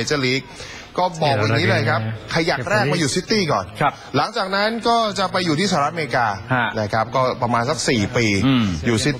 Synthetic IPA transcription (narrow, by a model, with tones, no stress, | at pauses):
e˦t͡ɕa˧˩liː˦˥k̚ː | ɔː˥˩bɔː˨˩k̚wa˧nːi˦˥lɤː˧jkʰa˦˥p̚kʰa˧ja˨˩k̚ɾɛː˥˩k̚maː˧juː˨˩siː˦˥t̪ːiː˥˩kɔː˨˩nʰ˦ | la˨˩˦ŋt͡ɕaː˨˩k̚na˦˥nkɔː˥˩t͡ɕa˨˩pa˧jːuː˨˩t̪ʰiː˥˩aː˧˨˦ʔa˧me˧ɾi˧kaː˧˩na˦˥˩kʰa˦˥p̚kɔː˥˩pɾa˧maː˧nsa˨˩k̚siː˨˩piː˧juː˨˩si˦˥t̪